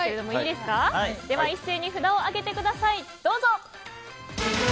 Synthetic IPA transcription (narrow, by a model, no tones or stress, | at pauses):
eɾe̞d̪o̞mo̞iiːd̪e̞sɨ̥kad̪̥e̞βaise̞ːɲ̟iɸɯ̟d̪ao̞aɡe̞t̪e̞kɯ̟d̪asaid̪̥o̞ːzo̞